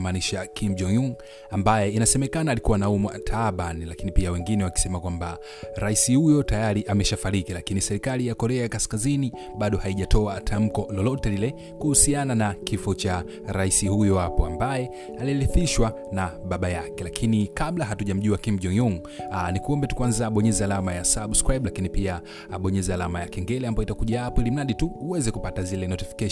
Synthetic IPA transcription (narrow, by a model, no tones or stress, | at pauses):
maːniʃakʰimd͡ʒɔŋuŋ | ambajɛinasɛmɛkanaːlikuwanaumwa̰tʰaɓanilakinipiawɛŋɡinɛwaki̥sɛmakwamba | ɾaisihujɔtajaɾiʔamɛʃafaɾikilakinisɛɾikalijakɔɾɛajakaskazini | ɓaɗɔhaiʄatʰɔatʰam̩kɔlɔlɔtɛlilɛ | kuhusiananakifɔt͡ʃa | ɾaisihujɔhapɔambajɛ | aliliθiʃwa | naɓaɓajakɛlakʰinikaɓlaɦatuʄam̩ʄuakim̩ʄɔŋɔŋ | nikuɔmbɛtu̥kwanzaːɓɔɲɛzɛalamajasaɓskɾajɓlakinipiaː | ɓɔɲɛzɛalamajakɛŋɡɛlɛambajɔitakuʄahapɔilim̩naɗituuwɛzɛkupatazilɛnɔtifi̥kɛ